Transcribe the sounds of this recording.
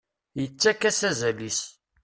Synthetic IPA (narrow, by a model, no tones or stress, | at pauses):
jət͡sːækːæsæzælis